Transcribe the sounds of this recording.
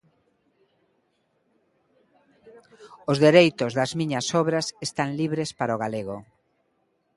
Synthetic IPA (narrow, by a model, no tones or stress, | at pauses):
ʊzðeɾejt̪ozðɐzmĩɲɐsɔβɾasest̪aŋliβɾespaɾaoɣaleɣo